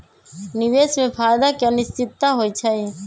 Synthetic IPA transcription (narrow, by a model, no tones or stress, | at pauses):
nɪʋeːsmẽpʰaːjd̪akeənɪst͡ʃɪt̪ːaɦoːit͡ʃʰəĩ